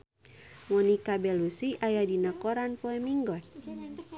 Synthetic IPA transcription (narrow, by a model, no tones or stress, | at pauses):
mɔnikabɛlusiʔajadinakɔɾanpɔɛmiŋɡɔt̪̚